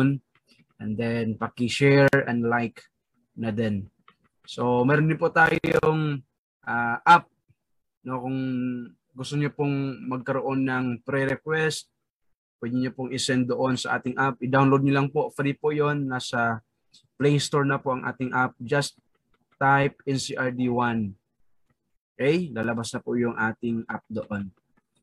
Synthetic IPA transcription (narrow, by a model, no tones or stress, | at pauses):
n | ʔɛnd̪ɛnpɐkɪʃɛɹɐnlajk | nɐd̪ɛn | so̞mɛɾond̪ɪpʊt̪a̰ːjoŋ | ʔaːʔap̚ | nokʊŋ | ɡʊst̪oɲopʊŋmɐɡ̚kɐɾoʔo̞nːɐŋpɾɛɾɛkwɛst̪̚ | pwɛd̪ɪɲopʊŋʔɪsɛn̚d̪oʔo̞nsɐʔa̰ːt̪ɪŋʔap̚ʔɪd̪awnlowd̪ɲʊlɐŋpoʔfɾipojonːasɐ | plɛjst̪oɹnɐpoʔɐŋʔa̰ːt̪ɪŋʔap̚d͡ʒɐst̪ː | ajp̚ɛnsiʔaɹd̪iwan | ʔɛjlaːlɐbasnɐpʊjʊŋʔaːt̪ɪŋʔa̰p̚d̪oʔo̞n